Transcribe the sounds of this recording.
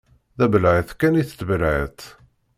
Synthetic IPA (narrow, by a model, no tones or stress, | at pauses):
ðæbəlʕəθkæniθt̪ːbəlʕə̰t̪